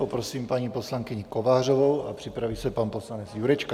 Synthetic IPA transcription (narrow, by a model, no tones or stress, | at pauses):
popɾosiːmpaɲiːposlaŋkɪɲɪko̞vaːr̝ovowapr̥ɪpɾaviːsɛpanposlanɛt͡sjuɾɛt͡ʃka